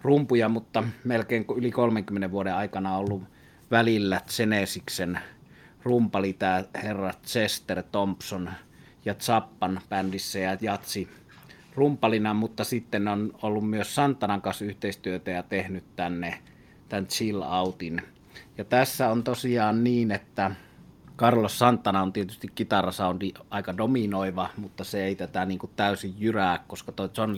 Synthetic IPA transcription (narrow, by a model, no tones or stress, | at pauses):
rumpujɑmut̪ːɑmelkeˑiŋkylikolmeŋkymːeneʋʋuodeʔɑˑikɑnɑolːuʋ | ʋælilːæt̪senesiksen | rumpɑlit̪æːherːɑt̪sest̪ert̪ompson | jɑt̪sɑpːɑnpændisːæjɑjɑt̪si | rumpːɑlinɑmut̪ːɑsit̪ːennonolːummyøssɑnt̪ːɑnɑŋkɑnsyht̪eˑist̪yøt̪æjɑt̪ehnyt̪t̪ænːe | t̪ænt̪t͡ʃilɑˑut̪in | jɑt̪æsːæont̪osiɑːnniːnet̪ːæ | kɑrlossɑnt̪ːɑnɑont̪iet̪yst̪ikkit̪ɑrɑsɑˑondiʔɑˑikɑdominoˑiʋɑmut̪ːɑseeˑit̪æt̪æniːŋkut̪t̪æˑysijjyrækkoskɑt̪oˑit̪son